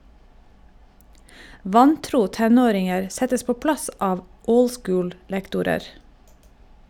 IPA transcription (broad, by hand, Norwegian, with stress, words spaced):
ˈʋɑnˌtɾuː ˈtɛˌnoːɾɪŋəɾ ˈsɛtəs ˈpoː ˈplɑs ˈɑːʋ ˈəʊl ˈskʊːl ˈlɛktʊɾəɾ